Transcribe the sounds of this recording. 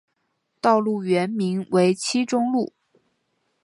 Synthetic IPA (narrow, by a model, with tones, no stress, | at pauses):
t̪ɑ˥˧ʊlu˥˩ɥɛ˧˥nmi˧˥ŋwe˧˥ɪt͡ɕʰi˥ʈ͡ʂʊ˥ŋlu˥˩